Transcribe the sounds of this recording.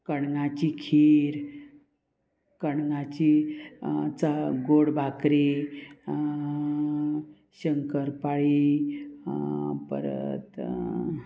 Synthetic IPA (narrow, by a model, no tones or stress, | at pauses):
kəɳŋat͡ɕikʰiɾ | kəɳŋat͡ɕi | t͡saɡoɽbʱakɾi | ɕəŋkəɾpaɭi | pə̰ɾə̰t̪